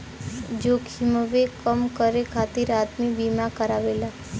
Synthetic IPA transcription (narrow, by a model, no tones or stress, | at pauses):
d͡ʒoːkʰiməʋekəmkəɾekʰat̪iɾaːd̪mibimakəɾaʋela